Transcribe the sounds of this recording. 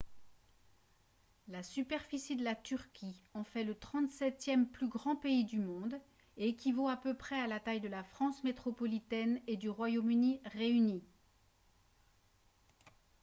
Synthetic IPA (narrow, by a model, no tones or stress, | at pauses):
lasypɛʁfisid̪əlat̪yʁkʲʰiɑ̃fɛlət̪χɑ̃t̪sɛt̪jɛmplyɡʁɑ̃peid̪ymɔ̃d̪ | ekʲivoapøpχɛalat̪ajd̪əlafχɑ̃smet̪χɔpɔlit̪ɛned̪yʁwajomyniʁeyni